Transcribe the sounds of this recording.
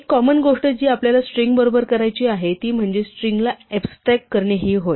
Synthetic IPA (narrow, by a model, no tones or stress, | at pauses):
kːɔmənɡoʂʈəd͡ʑiːapljalasʈɾiŋɡbəɾobəɾkəɾajt͡ɕiːaɦet̪iːm̤əɳd͡ʑesʈɾiŋɡlaɛbsʈɾɛkːəɾɳjeɦiːɦoj